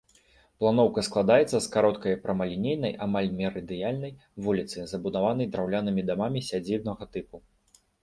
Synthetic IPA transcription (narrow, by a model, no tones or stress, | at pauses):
plˠanɔwkɐsklˠad̪ajɛt̪sːɐskaɾɔt̪kɐjpɾɐmɐlʲinʲejnɐjʔamalʲmʲɛɾɨd̪ɨjalʲnɐj | vulʲit̪sɨzɐbud̪avan̪ɐjd̪ɾawlʲanɨmʲid̪amamʲisʲad͡zʲibnɐɣɐt̪ɨpu